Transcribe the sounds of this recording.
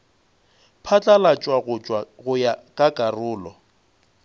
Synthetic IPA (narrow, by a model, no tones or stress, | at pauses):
pʰat͡ɬʼalat͡ʃʼwaɣʊt͡ʃʼwaɣʊjakʼakʼarʊːlɔ